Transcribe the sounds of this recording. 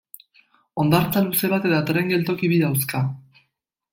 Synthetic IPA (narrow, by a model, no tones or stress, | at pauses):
o̞nd̪aɾt͡saluse̞βat̪eðat̪ɾe̞ŋɡe̞lt̪o̞kiβiðawska